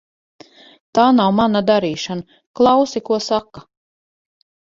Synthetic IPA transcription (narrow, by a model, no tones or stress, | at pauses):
t̪aːnawmanad̪aɾiːʃana | klˠɑwsikuɔsaka